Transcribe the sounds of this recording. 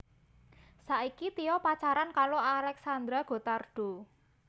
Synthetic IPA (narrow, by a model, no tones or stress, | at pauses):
saʔikit̪iɔpat͡ʃaɾankaloalɛksand̪ɾaɡ̥o̤t̪arɖ̥o̤